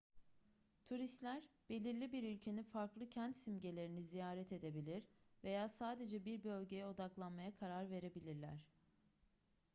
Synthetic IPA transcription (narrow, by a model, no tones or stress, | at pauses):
t̪ʰuɾist̪lʲæɾb̥e̞lʲiɾlʲibiɾylʲcʰe̞ninfaɾklˠɯcʰænt̪simɟe̞lʲe̞ɾinizijaːɾɛt̪ʰe̞d̪e̞bilʲiɾve̞jaːsaːd̪e̞d͡ʒɛbiɾbø̞lʲɟe̞jɛo̞d̪aklˠanmajakʰaɾaɾve̞ɾe̞bilʲiɾlʲæ̰ɾ̥